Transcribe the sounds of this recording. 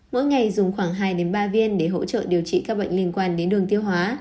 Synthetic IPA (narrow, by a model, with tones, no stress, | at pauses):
mo̰˧˥jŋa˨˩jzʊ˨˩ŋ͡mxwaː˧˩ŋɦaː˧jɗe˨˦nɓaː˧vi˧ənɗe˧˩ɦo̰˧˥t͡ɕə̰ː˧˨ɗi˨˩əwt͡ɕḭ˧˨kaː˦˥k̚ɓə̰˧˨jŋ̟li˧ənkwaː˧nɗe˨˦nɗɨ˨˩əŋt̪i˧əwɦwaː˨˦